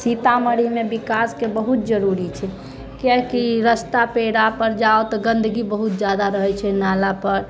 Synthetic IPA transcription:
sit̪aməɽimebikaskebəɦut̪̚d͡ʒəɾuɾit͡ʃʰɛ | kjɛkiɾəst̪apeɽapəɾd͡ʒaot̪ɔɡənd̪əɡibəɦut̪̚d͡ʒad̪aɾəɦɛt͡ʃʰɛnalapəɾ

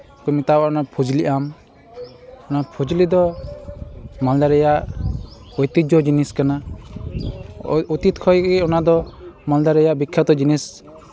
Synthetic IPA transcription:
kɔmit̪awaɔnapʰud͡ʒliʔam | ɔnapʰud͡ʒlid̪ɔ | mald̪aɾɛjaʔ | ɔjt̪it̪̚d͡ʒɔd͡ʒiniskana | ut̪it̪kʰɔjɡɛɔnad̪ɔmald̪aɾɛjaʔbikʰːat̪ɔd͡ʒinis

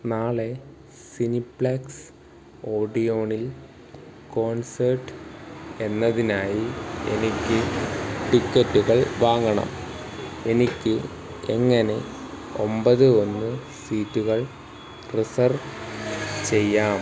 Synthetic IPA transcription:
naːɭe̞ | sinipɭɐks | o̞ːɖijo̞ːɳil | ko̞ːnsɐrʈːɨe̞nːɐðinaːjie̞̰nikʲːɨʈikːɐtːuɣɐɭʋaːŋːɐɳɐ̰m | e̞nikʲːɨ | eŋːɐne̞ | o̞mbɐðɨo̞nːɨ | siːtːuɣɐɭ | risɐr | t͡ɕe̞jːaːm

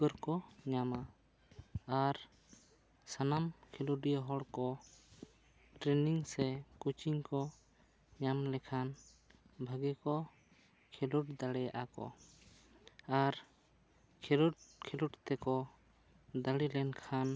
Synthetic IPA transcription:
ɡɔɾkɔɲamaː | ɾ | sanamkʰiluɖijaɦɔɽkɔ | ʈɾɛniŋsɛkut͡ʃiŋkɔ | ɲamlɛkʰan | bʱaɡɛkɔ | kʰɛluʈd̪aɽɛʔakɔ̰ | aɾ | kʰɛluʈkʰiluʈt̪ɛkɔ | d̪aɽilɛnkʰan

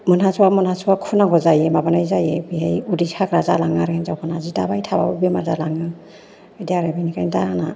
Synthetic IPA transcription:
mɯnɦasʰuwamɯnhasuwakʰunaɡɔzajemabanajzajebiɦejudisʰakɾazalaŋaɾenzawpʰanazida̰bajtʰaba̰bɯbemaɾzalaŋɯ | ediaɾebajnikʰajndaana

